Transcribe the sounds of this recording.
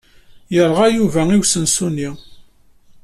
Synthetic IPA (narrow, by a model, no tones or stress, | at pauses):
jəɾˤʁæjuvæiwsənsuni